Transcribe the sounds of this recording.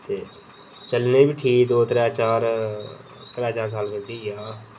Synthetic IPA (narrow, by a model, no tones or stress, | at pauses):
t̪eː | t͡ʃəlnebiʈʰiːkd̪oːt̪ɾɛːt͡ʃaːɾ | t̪ɾaːt͡ʃaːɾs̬aːlkənd̪iːjaː